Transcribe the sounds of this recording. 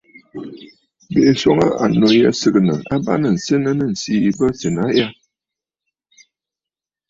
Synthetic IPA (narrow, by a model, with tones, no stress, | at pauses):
be˨sɔ˦ŋə˦ʔa̰˨no˨jɛ̰˦sɨ˨kə˨nə˨a˦ba̰˦nə˨n̩˨se˦nə˦nə˦˨n̩˨si˦˨bə˦se˨na˨˦ja˦